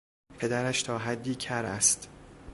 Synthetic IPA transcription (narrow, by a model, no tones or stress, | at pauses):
pʰe̞d̪æɾæʃt̪ʰɒːɦæd̪ːiːcʰæɾæ̰st̪